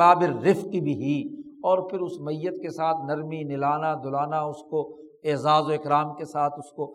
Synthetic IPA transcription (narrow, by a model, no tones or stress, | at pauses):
aːbɪɾːɪfqibʱiɦiɔːɾpʰɪɾʊsmɐjːət̪kesaːt̪ʰnɐɾminɪlaːnad̪ʊlaːnaʊsko | eːzaːzoɪkɾaːmkesaːt̪ʰʊsko